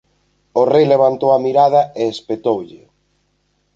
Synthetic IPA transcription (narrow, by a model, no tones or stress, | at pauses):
ʊrejleβ̞ant̪owɐmiɾaðɐeːspet̪owʎɪ̰